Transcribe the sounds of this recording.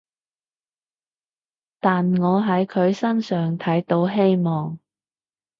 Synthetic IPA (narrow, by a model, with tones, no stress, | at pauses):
t̪aː˨nŋɔː˨˧ɦɐ˨˧˥jkʰɵ˨˧ɥsɐ˥nsœː˨˩ŋt̪ʰɐ˨˥jt̪o˨˥wɦe˥jmɔː˨ŋ